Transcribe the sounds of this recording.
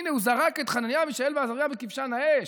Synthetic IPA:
neuzaʁaket̪χananjamiʃaelveazaʁjabekifʃanaeʃ

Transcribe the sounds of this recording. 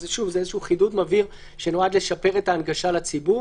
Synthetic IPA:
zeʃuvzeezeʃuuχidutmaviʁ | ʃe̞noad̪le̞ʃape̞ʁe̞taːnɡaʃalat͡sibu

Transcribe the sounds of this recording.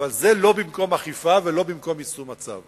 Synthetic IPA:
valzelo̞bimko̞maχifavelo̞bimko̞misumat͡sa̰v

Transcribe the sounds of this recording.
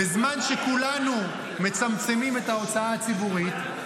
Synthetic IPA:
ezmanʃe̞kulanu | me̞t͡samt͡se̞mime̞tao̞t͡saaːt͡sibuʁit

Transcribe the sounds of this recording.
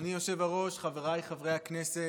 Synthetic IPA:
nijo̞ʃevaʁo̞ʃχaveʁajχavʁejhaknese

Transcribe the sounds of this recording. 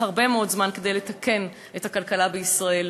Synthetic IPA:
haʁbe̞meo̞dzmanke̞dejlet̪ake̞n | ethakalkalabeisʁɐel

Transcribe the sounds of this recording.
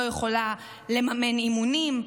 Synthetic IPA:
ojeχo̞la | le̞mame̞nimunim

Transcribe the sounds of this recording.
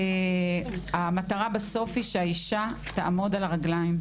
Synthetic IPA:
e | amat̪aʁabaso̞fiʃeaiʃat̪aʔamo̞dalʁaɡlajim

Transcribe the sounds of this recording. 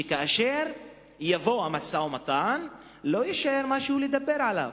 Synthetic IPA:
kaʔaʃeʁ | javo̞hamasawmat̪an | lo̞jiʃaʔeʁmaʃehuled̪abe̞ʁʕala̰v

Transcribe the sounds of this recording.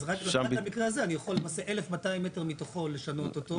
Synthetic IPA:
zʁaklʃaamikʁeazeanijaχolːemaseʔelefmataimːete̞ʁmit̪oχo̞leʃano̞tot̪o

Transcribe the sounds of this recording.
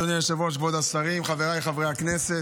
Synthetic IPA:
oneʃevoʃ̬bod̪asaʁimχaveʁajχavʁeaknese

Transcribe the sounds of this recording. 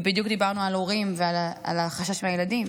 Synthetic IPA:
bid̪jukd̪ibaʁnualo̞ʁimveala̰laχaʃaʃmeajeladim

